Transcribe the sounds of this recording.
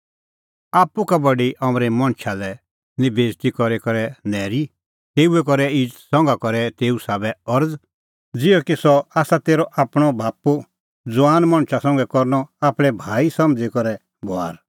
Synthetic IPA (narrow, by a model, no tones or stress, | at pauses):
aːpukabɐɖiʔɐmɾɛmɐ̃ɽ̃t͡ʃʰalɛ | nɪbeːd͡zt̪ikɔɾekɔɾɛnɛːɾi | t̪eːuɛk̬ɔɾɛiːd͡ʒt̪sɔ̃ŋɡakɔɾɛt̪eːusaːbɛɔɾd͡z | d͡zɪɔkisɔaːsat̪eːɾɔʔaːpɽ̃ɔbʱaːpu | d͡zʊaːnmɐ̃ɽ̃ʃʰasɔ̃ŋɡɛkɔɾnɔaːpɽ̃ɛbʱaːisɐ̃md͡zikɔɾɛ | boa̰ːɾ